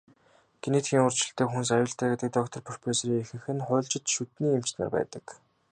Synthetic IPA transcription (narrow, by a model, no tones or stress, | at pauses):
ɡ̥eneːt̪xiːŋʊr̥t͡ɕɪ̆ɬt̪eːxuns̬ajʊːɬt̪ʰæːɡet̪̚ɡɘ̆k̚t̪ɔkt̪ʰɞ̆rpɵrʲpeːsɾiːŋexɘ̆ŋxɘ̆nχʊːɮt͡ɕɪ̆t̪ʃut̪niːem̥t͡ɕna̰ːpæ̰ːt̪ə̆k